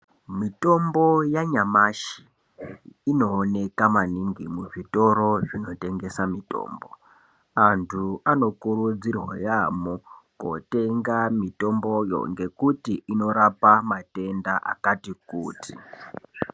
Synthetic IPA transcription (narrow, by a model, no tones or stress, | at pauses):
mito̞mbo̞jaɲamaʃi̥ː | no̞ːne̞kamaniŋɡimuʐito̞ɾo̞ʐino̞te̞ŋɡe̞samito̞̰ːmbo̞̰ | antʰuano̞kurud͡zirwa̰jamuko̰te̞ŋɡamito̞mbo̞jo̰ŋɡe̞kutiʔino̞ɾapamate̞ndaʔa̰katikuːtʰḭ